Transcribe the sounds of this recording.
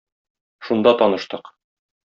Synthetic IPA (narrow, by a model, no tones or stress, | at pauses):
ʃund̪ɑt̪ɒnɤ̆ʃt̪ɤq